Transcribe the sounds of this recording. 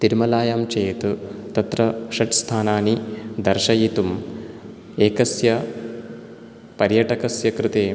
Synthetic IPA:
t̪iɾmɐlaːjamt͡ʃeːt̪ut̪ɐt̪ɾɐʃɐʈst̪ʰaːnaːnid̪ɐɾʃɐjit̪um | eːkɐsjɐ | pɐɾjɐʈɐkɐsjɐkɾɪt̪eː

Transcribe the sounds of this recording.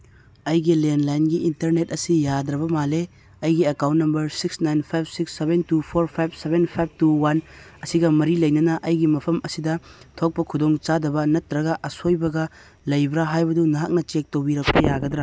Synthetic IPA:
ɐjɡilenlajnɡiːntɐɾnet̚ɐsijad̪ɾɐbɐmale | ɐjɡiɐkawnt̚nɐmbɐɾsiksnajnpʰajb̚siksːebentupʰoɾpʰajb̚ʰsebenpʰajb̚ʰtuwan | ɐsiɡɐmɐɾilɐjnɐnɐʔɐjɡimɐpʰɐmʔɐsidɐtʰok̚pɐkʰudoŋt͡ʃadɐbɐnɐtːɾɐɡɐʔɐsojbɐɡɐ | lɐjbɾaɦajbɐdunɐɦak̚nɐt͡ʃek̚towbiɾɐk̚pɐjaɡɐd̪ɾa

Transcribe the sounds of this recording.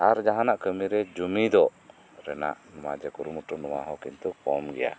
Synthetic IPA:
aɾd͡ʒaɦãnaʔkəmiɾɛd͡ʒumid̪ɔ | ɾɛna̰ʔnɔmad͡ʒɛkuɾumuʈunɔma̰ɦɔkint̪ukɔmɡɛ̰ja̰

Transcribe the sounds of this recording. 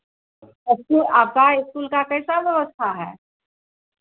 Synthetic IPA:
ɪskulaːp̚kaɪskuːlkakɛɪsabjɐʋəst̪ʰaɦɛ̰ː

